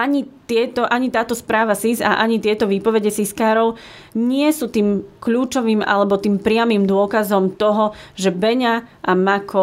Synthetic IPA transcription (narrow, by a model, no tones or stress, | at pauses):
aɲit̪ɪɛt̪ɔʔaɲit̪aːt̪ɔspɾaːʋasiza̰ʔaɲit̪ɪɛt̪ɔʋiːpɔʋɛɟɛsiskaːɾɔʊ | ɲɪɛsuːt̪iːmkʎuːt͡ʃɔʋiːma̰lɛbɔt̪iːmpɾɪamiːmd̪ʊɔkazɔmt̪ɔɦɔʒɛbɛɲaʔamakʰɔ